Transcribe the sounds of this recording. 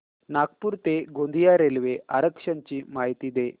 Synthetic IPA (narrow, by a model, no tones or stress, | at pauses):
nak̚puːɾt̪eɡond̪ijaɾelʋeʔa̰ɾəkʂaɲt͡ɕiːmaɦit̪iːd̪e